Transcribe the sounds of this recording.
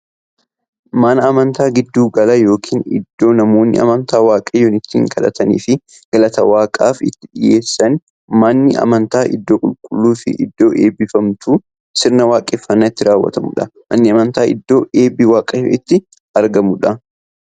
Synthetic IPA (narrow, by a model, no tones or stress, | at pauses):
mɐnɐːmɐnt̪aːɡɪd̪ːuːɡɐlɐjo̞ːkʰiːnɪ̰d̪ːo̞ːnɐmo̞ːnːɪ̰ɐ̰mɐnt̪aːwaːkʼɐjoːnɪt̪ːḭːŋkʰɐᶑɐ̰t̪ʰɐnḭːfɪ | ɡ̥ɐlɐt̪ɐwaːkʼaːfɪt̪ːɪᶑɪje̞ːsːɐn | mɐnːɪɐ̰mɐnt̪aːʔɪ̰d̪ːo̞ːkʼʊlkʼʊlːuːfɪ̰ʔɪ̰d̪ːo̞ːʔeːbɪfɐmt̪ʰuː | sɪɾnɐwaːkʼeːfːɐnːaːɪt̪ːɪɾaːwːɐ̰t̪ɐmʊ̰ᶑɐmɐnːɪɐmɐnt̪aːʔɪ̰d̪ːo̞ːeːbɪwaːkʼɐɪt̪ːɪ | ɐɾɡɐmʊᶑɐ